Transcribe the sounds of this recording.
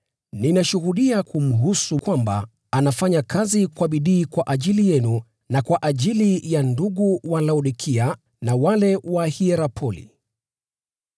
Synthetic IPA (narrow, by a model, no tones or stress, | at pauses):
ninaʃuhuɗiakʰum̩ɦusukwamba̰ | anafaɲakʰazikwaɓiɗiːkwaʔaʄilijɛnu | nakwaʔaʄilijanduɠuwalauɗikʰia | nawalɛwahiɛɾapʰɔlḭ